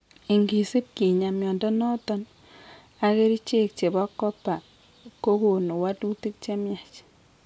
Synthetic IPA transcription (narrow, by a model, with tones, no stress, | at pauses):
i˨ŋɡi˨si˦p̚ki˨ɲa˨mjɔ˨ndɔ˦nɔ˦tɔ˦n | a˨ke˦ɾi˦t͡ʃe˦k̚t͡ʃe˨bɔ˦kːɔ˦pa˨ | ko˦ko˨no˨wa˦tu˦ti˦k̚t͡ʃe˦mja˨t͡ʃ